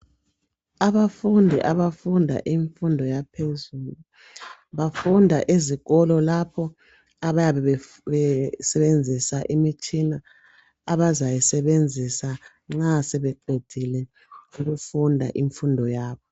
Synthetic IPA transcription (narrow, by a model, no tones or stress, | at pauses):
aβafundʱiʔaβafundʱa̰ʔiɱfundʱɔjapʰezuːlu | βafundʱaʔiziɣɔlɔlapʰɔ | aβajaβɛ | βɛsɛβend͡zʱisaʔimit͡ʃʼinaː | βazajisɛβend͡zʱisa | ŋ͡ǁasɛβɛǃʱed̥ʱilɛ | uɣufundʱaʔiɱfundʱɔjaːβɔ